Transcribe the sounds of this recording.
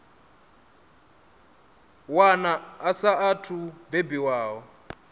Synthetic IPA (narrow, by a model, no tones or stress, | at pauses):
wanaːsaatʰubebiwaːwɔ